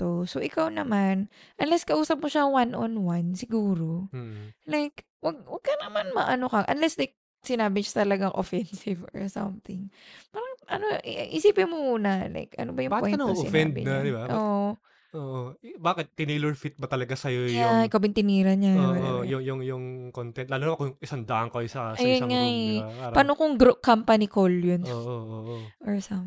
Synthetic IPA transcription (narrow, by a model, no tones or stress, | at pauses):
t̪osoʔɪkawnɐmanʔɐnlɛskɐʔuːsɐp̚moʃawanʔo̰nwansɪɡuːɾo̞ | lajk | wɐɡ̚wɐɡ̚kɐnɐmanmɐʔɐnokɐʔɐ̰nlɛsd̪ɐj̚ | sɪnaːbɪʃḁt̪ɐlɐɡaŋʔo̰fɛnsɪvo̰˞sɐ̰mθɪŋpaːɾɐŋʔɐnoʔʔɪsiːpɪnmomuːnɐla̰jkɐ̰nobɐjʊŋpj̪sɪ̰nfɛanːd̪bɪ̰nɐad̪ɪbaʔoːʔo | ʔoːʔobaːkɪt̪̚ːɪniːlɛɹfit̪̚bɐt̪ɐlɐɡasɐjojjʊaɪkɐbɪnt̪ɪniːɾɐnɲaoaojʊŋjʊŋjʊŋkont̪ɛn̚laːluːnapakojŋʔɪsand̪ɐʔɐŋkoʔɐjsɐaɐjonŋaɛpaːnokoŋɡɾoʔkːampɐnikoljonoʔooʔoʔoɹsɐm